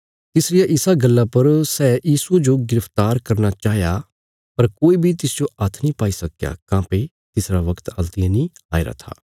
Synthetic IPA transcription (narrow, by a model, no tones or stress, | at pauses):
t̪ɪsɾɪjaʔɪsaɡɐlːapɐɾsɛːjiːsud͡ʒoɡɪɾəpʰt̪aːɾkɐɾnat͡ʃaːɦja | pɐɾkoːibʱit̪ɪsd͡ʒoɐt̪ʰnĩpaːisɐkja̰kãːpe | t̪ɪsɾaʋɐkt̪ɐlt̪ɪjãnĩaːeɾa̰t̪ʰa̰ː